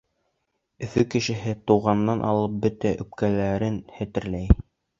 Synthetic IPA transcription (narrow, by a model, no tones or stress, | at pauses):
ɵ̆fɵkɘ̆ʃɘ̆ɦɘt̪uʁɑnːɑnʔɑ̰lˠɤp̚bɵt̪æʔɵ̆p̚kælæɾɘnhæ̆t̪ɘ̆ɾlæj